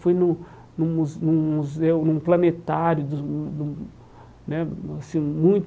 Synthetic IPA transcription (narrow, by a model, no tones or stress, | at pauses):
fojnʊ̃ | nũmuznũmuzewnũplɐnet̪aɾjʊd̪ʊd̪ʊ | nɛasĩmũj̃t̪